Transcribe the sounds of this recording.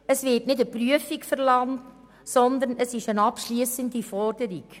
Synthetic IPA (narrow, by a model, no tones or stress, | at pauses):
əsvɪtnɪdəpryəfikfəɾlɑŋt | sɔnd̪əɾnəsɪʃənɑpʃliːsəndifɔrd̥əɾik